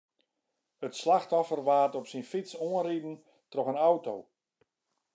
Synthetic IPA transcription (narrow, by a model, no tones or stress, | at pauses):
ətslaxtɔfərʋaːtɔpsinfitsoənridn̩ | trɔxənawtow